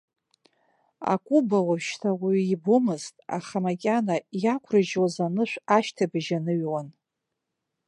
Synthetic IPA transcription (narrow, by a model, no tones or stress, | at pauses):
a̰kʷʼubawavʃtʰawiibumɨztʼa̰χamakʲʼanajakʷʰrɨʒwazanɨʃʷᶣaʃtʰabɨʒanɨɥwan